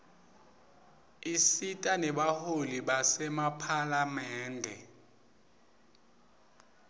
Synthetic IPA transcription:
isitʼanɛɓaholiɓasɛmapʰalamɛːndʱɛ̰

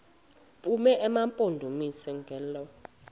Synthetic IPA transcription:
pʼumɛʔɛmampʼondʱumisɛŋɡʱɛlɔ

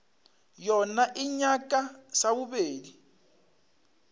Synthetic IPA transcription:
jɔnaʔiɲakʼasaβuβeːdi

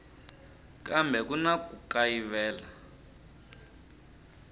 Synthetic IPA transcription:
kambʱɛk̬unakukajivɛːla

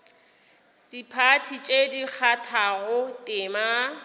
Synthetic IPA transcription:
d̥ipʰatʰit͡ʃʼedik͡xʰatʰaɣʊtʼɪma

